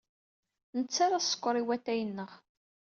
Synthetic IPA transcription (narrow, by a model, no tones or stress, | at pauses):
nət͡sːaɾasːə̥kʷːəɾˤiwæt̪ːæjənːəʁ